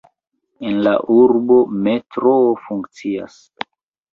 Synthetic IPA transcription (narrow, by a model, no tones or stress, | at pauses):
enla̰ʔuɾbo̞me̞tɾofuŋkt͡sia̰s